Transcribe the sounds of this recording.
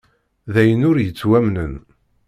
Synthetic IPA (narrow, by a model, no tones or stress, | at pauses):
ðæjənʊɾjət͡sːwæmnən